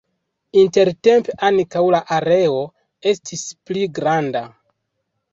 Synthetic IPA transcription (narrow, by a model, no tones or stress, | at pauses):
inte̞ɾte̞mpeʔankawlaʔaɾe̞o̞ | e̞stʰispliɡɾanda